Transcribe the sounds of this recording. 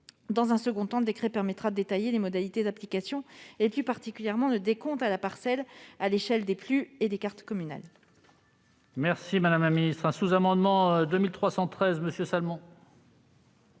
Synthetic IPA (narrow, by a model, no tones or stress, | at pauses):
d̪ɑ̃zɛ̃səɡɔ̃t̪ɑ̃ləd̪ekχɛpɛʁmɛt̪χad̪əd̪et̪ajelemɔd̪alit̪ed̪aplikasjɔ̃eplypaʁt̪ikʲyljɛʁmɑ̃ləd̪ekɔ̃t̪alapaʁsɛlaleʃɛld̪eplyed̪ekaʁt̪kɔmyna̰l | mɛʁsimad̪amlaminist̪χɛ̃suzamɑ̃d̪mɑ̃ød̪əmilt̪χwasɑ̃t̪χɛzməsjøsalmɔ̃